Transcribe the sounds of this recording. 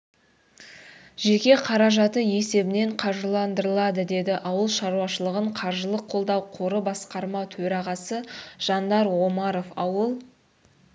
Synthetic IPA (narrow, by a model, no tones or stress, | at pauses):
ʒe̞kʲe̞qʰɑɾɑʒɑt̪əje̞se̞bɪne̞ɴqʰɑɾʒəlˠɑnd̪əɾəlˠɑd̪əd̪e̞d̪ɪʔɑwəlˠʃɑɾuɑʃəlˠəʁəɴqʰɑɾʒəlˠəqʰːo̞lˠd̪ɑwqʰo̞ɾəbɑsqɑɾmɑt̪ʰɵɾɑʁɑsəʒ̥ɑnd̪ɑɾwo̞mɑɾo̞fɑwəlˠ